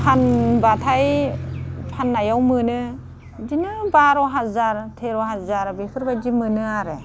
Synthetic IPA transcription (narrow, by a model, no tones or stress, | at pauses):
pʰanbatʰaj | pʰanːajawmɯnɯ | d͡ʒinɯbaɾɔɦazaɾtʰeɾɔɦazaɾbekʰɯɾbad͡ʒimɯnɯaɾe